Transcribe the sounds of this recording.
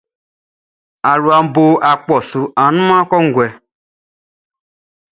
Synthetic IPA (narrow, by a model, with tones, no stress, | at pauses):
a˨ɾu˨a˨m̩˦bo˦ʔa˨k͡pɔ˨su˨a˨nũ˦mã˦kɔ˦ŋ̩˦ɡʷɛ˨